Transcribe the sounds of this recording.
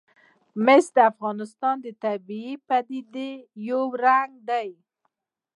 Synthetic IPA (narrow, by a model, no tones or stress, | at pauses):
mɪsd̪əafɣɑnɪst̪ɑnd̪ət̪abiipad̪id̪ejowɾaŋɡ̚d̪aj